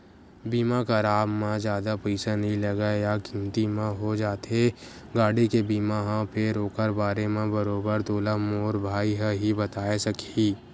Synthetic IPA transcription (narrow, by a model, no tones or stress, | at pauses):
biːmakaɾaːmmãd͡ʒjaːd̪apɐɪsanɐɦĩlɐɡajakĩmt̪imẽɦod͡ʒaːt̪e | ɡaːɽikebiːmaɦãpʰɪɾoːkəɾbaːɾemẽbɐɾoːbəɾt̪oːlamoːɾbʱaːiɦəɦibɐt̪aːesɐkiː